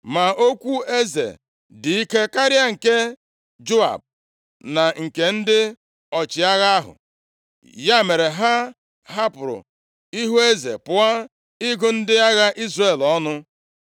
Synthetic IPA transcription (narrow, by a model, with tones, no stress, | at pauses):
ma˨o˦kʷu˦e˦zḛ˨ | dɪ˨i˦ke˦ka˦ɾɪ˦a˦ŋ̩˨ke˦ | d͡ʒo˦a̰˨b̚ | na˨ŋ̩˨ke˨n̩˦dɪ˦ | ɔ˨t͡ʃɪ˨a˦ɣa˦a˦ɦʊ̰˨ | ja˦˨me˨ɾe˨ɦa˦ | ɦa˦pʊ˨ɾʊ̰˨ | i˦ɦu˦e˦zḛ˨pʊ˨a˦ | i˦ɡʊ˦n̩˦dɪ˦a˦ɣa˦ʔi˦zre˨lɔ˦nʊ˦